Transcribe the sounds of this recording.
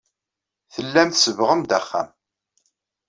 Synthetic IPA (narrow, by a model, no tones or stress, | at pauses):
θəlːæmθsəvʁəmd̪æχːæ̰m